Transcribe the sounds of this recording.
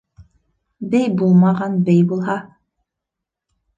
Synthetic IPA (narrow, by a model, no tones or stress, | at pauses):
bɛjbulˠmɑʁɑnbɛjbulˠɦɑ